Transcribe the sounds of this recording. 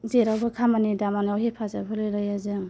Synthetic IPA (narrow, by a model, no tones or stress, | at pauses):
zeɾawbɯkʰamanidamanawɦepʰazabʰɯlɯjlɯjazɯŋ